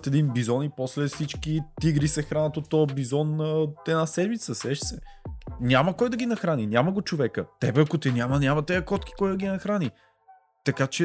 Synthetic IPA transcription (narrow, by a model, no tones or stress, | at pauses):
t̪ɛd̪inbizɔnipɔslɛfsit͡ʃkit̪iɡɾisɛxɾanət̪ot̪ɔbizɔnəɛnasɛd̪mit̪səsɛʃsɛ | nʲaməkɔjd̪ɐɡʲinɐxɾaninʲaməɡot͡ʃovɛkət̪ɛbɛɐkʊt̪ɛnʲjamɐnʲamɐt̪ɛɐkɔt̪k̟i̥kɔjd̪ɐɡʲinɐxɾani | t̪ɐkat͡ʃɛ